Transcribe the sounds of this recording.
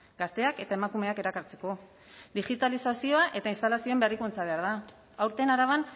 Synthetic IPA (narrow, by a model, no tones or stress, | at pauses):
ɡast̪e̞ake̞t̪ae̞makume̞ake̞ɾakaɾt͡se̞ko̞ | d̪iɣit̪alisasio̞aʔe̞t̪ainst̪alasio̞emberikunt͡saβe̞aɾða | awɾt̪e̞naɾaβan